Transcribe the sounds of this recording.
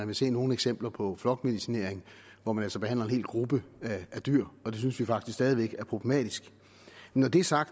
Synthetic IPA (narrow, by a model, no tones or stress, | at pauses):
ænʋe̝se̝̰ːno̝ːn̩eɡ̥sem̰b̥lɐpʰɒ̽flɒ̽ɡ̥me̝ðˠisine̝ɐ̰eŋ | ʋɒmænæl̰sɒb̥e̝hæn̰lɐe̝nhe̝̰ːlɡ̥ʁub̥əææd̥yɐ̰ɒ̽d̥e̝synsʋifɑ̈ɡ̥d̥ʰis̬ksɛːð̞ˠiʋeɡ̥æɐpʰʁo̝b̥le̝mɛ̰ːd̥isɡ̥ | nɒd̥e̝æɐsɑ̈ɡ̥̚d̥